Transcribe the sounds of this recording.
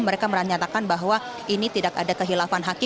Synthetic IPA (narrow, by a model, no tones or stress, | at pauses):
məɾekaməɾat̪ɲat̪akanbaɦwa | ʔinit̪idakadakəɦilafanɦaki